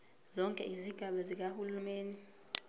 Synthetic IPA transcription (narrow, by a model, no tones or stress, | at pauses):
zɔŋkʼɛ̰iziɡ̥ʱaɓazik̬ahulumeːni